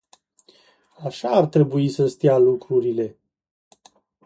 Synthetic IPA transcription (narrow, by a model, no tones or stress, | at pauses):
aʃaːrt̪ɾe̞buisəst̪ialukɾuɾile̞